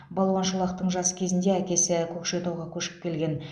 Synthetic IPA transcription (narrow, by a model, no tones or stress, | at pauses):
bɑlˠwɑnʃulˠɑqt̪əɴʒɑsə̥kʲʰe̞zɪnd̪eækʲe̞sɪkʲʰɵkʃe̞t̪uwʁɑkʲʰɵʃɪ̥p̚kʲʰe̞lɡʲe̞n